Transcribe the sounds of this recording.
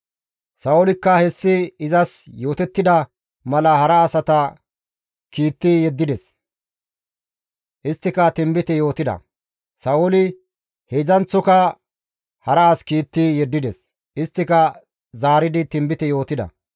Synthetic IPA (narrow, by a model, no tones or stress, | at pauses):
sɐʊlɪkːɐhɛsːɪɪzɐsjo̞ːt̪ɛt̪ːɪd̪ɐ | mɐlɐhɐɾɐːsɐt̪ɐ | kiːt̪ːɪjɛd̪ːɪd̪ɛs | ʔɪst̪ːɪkɐt̪ɪmbɪt̪ɪjo̞ːt̪ɪd̪ɐ̰ | sɐʔʊlɪ | hezɐnt͡sːɔkɐ | hɐɾɐːskiːt̪ːɪjɛd̪ːɪd̪ɛs | ʔɪst̪ːɪkɐ | zaːɾɪd̪ɪt̪ɪmbɪt̪ɪjo̞ːt̪ɪd̪ɐ̰